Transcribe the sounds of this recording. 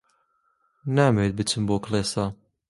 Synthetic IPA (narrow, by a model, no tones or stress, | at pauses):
naːmet̪̚bɨt͡ʃʰɨmboːklˠeːsa